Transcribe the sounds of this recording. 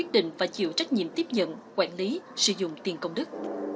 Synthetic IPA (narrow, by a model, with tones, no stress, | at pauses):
wi˦˥t̚ɗḭ̈˧˨ŋ̟faː˨˩jt͡ɕḭ˧˨əwt͡ɕa˦˥jk̟̚ɲḭ˧˨əmt̪i˦˥əp̚ɲə̰˧˨nkwaː˧˩nli˨˦sɨ̰˧˩zʊ̰˧˨ŋ͡mt̪i˨˩nkə˧wŋ͡mɗɨ˦˥k̚